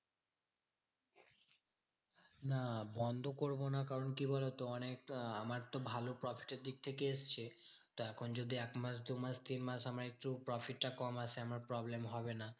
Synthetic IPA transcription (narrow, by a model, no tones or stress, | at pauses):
nabɔnd̪ʱokoɾbonakaɾonkibʱolot̪oɔnekamaɾt̪obʱalopɾɔfʰi̥ʈeɾd̪ik̚t̪ʰekeest͡ɕʰe | t̪oɛkʰond͡ʑod̪ʱiɛkmasd̪umast̪inmasamaɾek̚ʈupɾɔfiʈːakɔmasʰeamaɾpɾɔblemɦɔbena